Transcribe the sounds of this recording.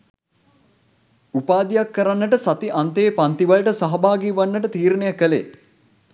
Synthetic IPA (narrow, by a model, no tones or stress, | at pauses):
upaːd̪ijakːəɾanːəʈəsat̪iʔant̪eːpant̪iʋɐlʈəsaɦɐbaːɡiːʋanːəʈət̪iːɾnejəkəlḛ